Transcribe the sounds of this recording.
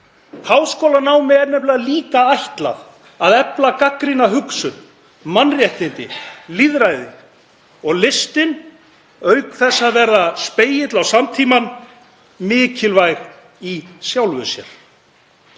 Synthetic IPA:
hawskowlanaːwmɛɛɾnɛhplɪðaliːkaajht̪la̰ð | aðɛplakakɾɪnaɦʏksʏn | manrjɛht̪ɪnt̪ɪliðɾajðɪ | ɔɣlɪst̪ɪn | œːɥkθɛsːaðvɛɾðaspeːjɪt̪lawsamt̪ʰiːman | mɪːcʰɪlvajɾ̥ | isjawlvʏsjɛ̰ɾ̥

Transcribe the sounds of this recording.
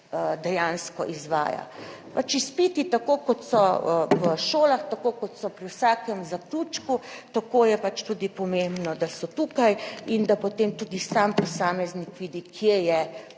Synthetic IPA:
əd̪ɛjãnskɔ̰ʔizʋa̰ːja̰ | pat͡ʃispit̪it̪akokɔt̪sɔʋəʃoːlaxt̪akokɔt̪sɔpɾiwsaːkɛmzakluːt͡ʃkut̪akoːjɛpat͡ʃt̪ud̪ipɔmembnɔd̪asɔt̪ukajind̪apot̪emt̪ud̪isampɔsaːmɛznikʋiːd̪ikʰjejɛ

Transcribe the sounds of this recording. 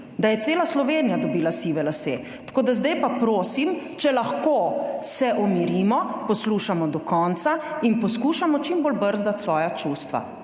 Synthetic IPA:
d̪ajɛt̪seːlaslɔʋeːnijad̪ɔbiːlasiːʋɛlasḛ | t̪ḁkoːd̪azd̪ajpapɾoːsim | t͡ʃɛlaxkosɛʔɔmiɾiːmɔpɔsluːʃamɔd̪ɔkɔnt̪sainpɔskuːʃamɔt͡ʃimboːlbəɾzd̪at̪sʋɔːjat͡ʃuːst̪ʋa̰

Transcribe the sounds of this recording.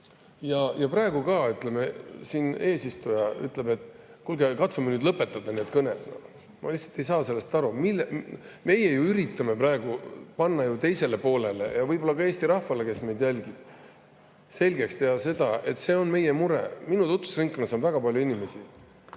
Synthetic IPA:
jɑjɑprɑe̞ɡ̥ukɑyt̪ˑleme̞siːne̞ːsist̪ujɑy̰t̪ːˑlebe̞t̪ːˑkulɡekɑt̪sumenyːd̪lɤpːˑet̪ːˑɑd̪̥ɑne̞ːd̪̥̚kɤnet̪no̰ | mɑ̰lihsɑ̥t̪ːe̞jsɑːse̞lːe̞st̪ɑɾumilːme̞jejuyɾit̪ːˑɑmeprɑe̞ɡ̥upɑnːɑjut̪e̞jse̞le̞po̞ːle̞le̞̰jɑvɤjbo̞lːɑkɑe̞ːst̪iɾɑhvɑle̞ke̞sme̞jd̪jælʲɡib̥ | se̞lʲɡe̞kst̪e̞ɑse̞d̪̥ɑe̞t̪ːˑse̞ːo̞nme̞jemuɾɛ̰minut̪ut̪ːˑu̥sriŋkːuneso̞nvæɡ̥ɑpɑlʲjuinʲime̞si

